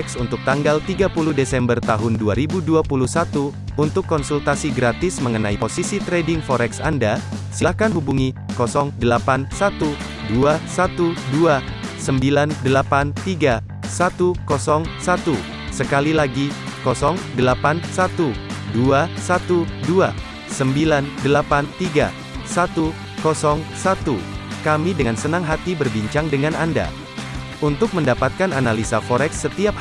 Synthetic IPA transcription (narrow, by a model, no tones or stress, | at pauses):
ɛksunt̪ʊk̚t̪aŋɡalt̪iɡapuluhdesɛmbərt̪aɦʊnduaɾibuduapuluhsat̪uː | nt̪ʊkːɔnsult̪asiɡɾat̪ɪsməŋənaiposisit̪ɾedɪŋfɔɾɛksandasilahkanɦubuŋi | kɔsɔŋdəlapansat̪u | duasat̪udua | səmbilandəlapant̪iɡa | sat̪ukɔsɔŋsat̪u | səkalilaɡikɔsɔŋdəlapansat̪uduasat̪udua | səmbilandəlapant̪iɡa̰ | sat̪u | kɔsɔŋsat̪ukamidəŋansənaŋɦat̪ibərbiɲt͡ʃaŋdəŋananda̰ | unt̪ʊk̚məndapat̪̚kananalisafɔɾɛksːət̪iap̚